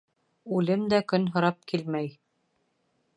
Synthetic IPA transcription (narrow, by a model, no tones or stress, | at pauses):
ʉlɘmd̪ækɵnɦŏɾɑp̚kilmæj